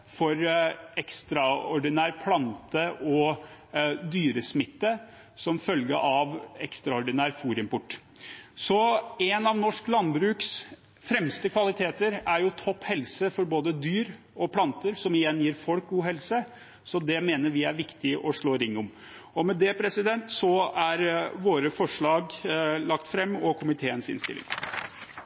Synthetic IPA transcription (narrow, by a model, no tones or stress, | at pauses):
fɔɾɛkst̪ɾɑɔɖɪnæːɾpʰlɑnt̪əʔɔ | d̪yːɾəsmɪt̪ːə | sɔmfœlɡəʔɑʋɛkst̪ɾɑɔɖɪnæːɾfuːɾɪmpʊʈː | sɔɛnɑʋnɔʂklɑnbɾʉːks | fɾɛmst̪əkʰʋɑlɪt̪ʰeːt̪əɾæɾjʊt̪ʰɔpːhɛlsəfɔɾboːd̪əd̪yːɾ | ɔpʰlɑnt̪əɾsɔmɪjɛnːjiːɾfɔlkɡuːɦɛlsə | sɔd̪ɛmeːnəɾʋɪæɾʋɪkt̪ɪʔɔʂɭoːɾɪŋːʊm | ɔmɛd̪ɛpʰɾɛsɪd̪ɛnt̪sɔæɾʋoːɾəfɔʂɭɑːɡlɑkt̪fɾɛmːɔkʰʊmɪt̪ʰeːənsɪ̰nst̪ɪlɪ̰ŋ